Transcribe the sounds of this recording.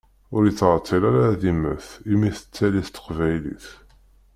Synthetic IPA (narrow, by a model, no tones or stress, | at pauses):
ʊɾjət͡sːʁt̪ˤːilaɾaaðimə̰θimiθə̥t͡sːæliθt̪ə̥qvæjlḭθ